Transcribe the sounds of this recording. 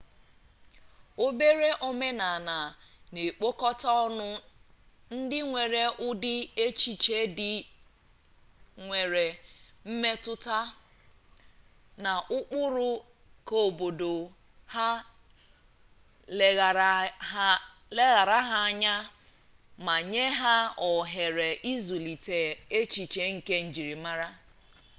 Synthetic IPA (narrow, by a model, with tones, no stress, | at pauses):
o˦be˦ɾe˦ʔo˦me˦na˨na˨ne˨k͡po˦kɔ˦ta˦ɔ˦nʊ˦ | n̩˦dɪ˦ŋʷe˨ɾe˦ʔʊ˦dɪ˦e˦t͡ʃi˨t͡ʃe˦dɪ˦ | ŋʷe˨ɾe˨m̩˦me˦tʊ˦ta˦ | na˨ʔʊ˦k͡pʊ˦ɾʊ˦ | ko˨bo˨do˨ | ha˦ | l | le˦ɣa˨ɾa˦ɦa˦a˦ɲa˦ | ma˨ɲe˦ɦa˦ɔ˨ɦe˨ɾe˨ʔi˦zu˨li˨te˨e˦t͡ʃi˨t͡ʃe˨ŋ̩˨ke˦n̩˨d͡ʒi˨ɾi˨ma˦ɾa˦